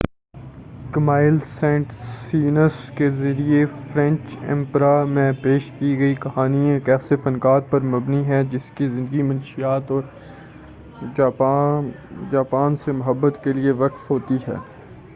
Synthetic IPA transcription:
kɐmaːɪlsɛ̃ɳʈsiːnəskezɐɾiefɾɛ̃ɲt͡ʃɛ̰̃mpɾamẽpeːʃkiɡɐikɐɦaːniẽkɛːsefɐnkaːt̪̚pɐɾmɐbniɦɛ̃d͡ʒɪskizɪ̃nd̪əɡimɐnʃijaːt̪ɔːɾ | d͡ʒaːpaːnsemʊɦəbːət̪kelieʋɐkfɦoːt̪iɦɛ̰ː

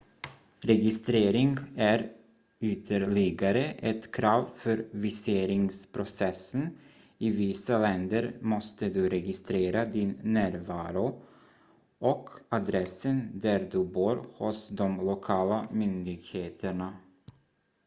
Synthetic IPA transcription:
ɾɛɡɪst̪ɾeːɾɪŋɡæɾ | ʏt̪ʰəɾɭɪɡaɾəʔɛt̪kʰɾɑːvfœɾvɪseːɾɪŋspʰɾʊsɛsən | ɪvɪsalɛnd̪əɾmɔst̪əd̪ɵɾɛɡɪst̪ɾeːɾad̪ɪnːæːɾvɑːɾʊ | ʔɔkʰad̪ɾɛsənd̪æɾd̪ɵboːɾhʊsd̪ɔmlʊkʰɑːlamʏnd̪ɪɡheːt̪ʰəɳa

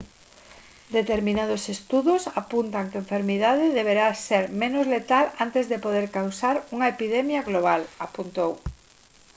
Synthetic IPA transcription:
d̪et̪eɾmĩnað̞osest̪uðosapunt̪aŋkeɱfeɾmiðaðɪðeβ̞eɾaseɾmẽnʊzlet̪alant̪ezðepoðeɾkawsaɾuŋɐepiðɛmjaɣloβ̞alapunt̪ow

